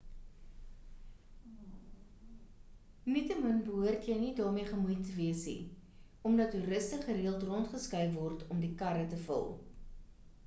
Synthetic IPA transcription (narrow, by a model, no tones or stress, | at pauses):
mitəmənbəɦuərtjəjnidɑːrmiəχəmujtəviəsnḭ | ɔmdɐtːuɾəstəχəɾiəlˠtrɔntχəskœjvɔrtɔmdikɐɾətəfə̰lˠ